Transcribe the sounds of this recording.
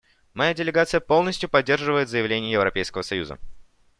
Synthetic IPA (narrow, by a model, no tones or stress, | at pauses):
mɐjadʲɪlʲɪɡat̪sɨjəpo̞lˠnəsʲtʲjʊpɐd̚ʲːe̞rʐɨvəjɪt̪zəjɪvlʲenʲɪjəjɪvɾɐpʲejskəvəsɐjṵzə̰